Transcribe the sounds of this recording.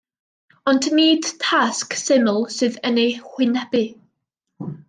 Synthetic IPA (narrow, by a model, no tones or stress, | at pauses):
ɔndniːd̥tʰasksɪməlˠsɨːðənejhwɪnɛbɨ